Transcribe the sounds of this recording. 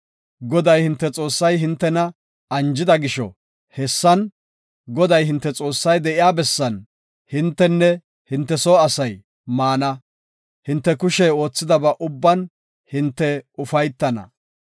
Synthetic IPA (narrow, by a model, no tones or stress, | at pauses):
ɡɔd̪ɐjhɪnt̪ːɛt͡sʼo̞ːsːɐjɦɪnt̪ːɛnɐ | ɐnd͡ʒɪd̪ɐɡɪʃɔ̰ | hɛsːɐn | ɡɔd̪ɐjhɪnt̪ːɛt͡sʼo̞ːsːɐjd̪ɛʔɪjaːbɛsːɐn | hɪnt̪ːɛnːɛ | hɪnt̪ːɛsoːɐsɐj | maːnɐ | hɪnt̪ːɛkʊʃɛo̞ːt͡sːɪd̪ɐbɐʔʊbːɐn | hɪnt̪ːɛʊfɐjt̪ːɐnɐ̰